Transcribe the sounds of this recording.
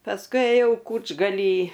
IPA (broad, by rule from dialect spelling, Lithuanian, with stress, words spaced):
pɐsˈkʊɪ eːˈjɛʊ ˈkuːd͡ʒɡɐlʲiː